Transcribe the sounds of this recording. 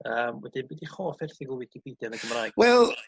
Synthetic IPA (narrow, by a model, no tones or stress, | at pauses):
əːmwɛdɪnbɪdiχɔːfɛrθɪɡəwɪkʰipʰid̥janəɡəmraːjɡ̥wɛlˠ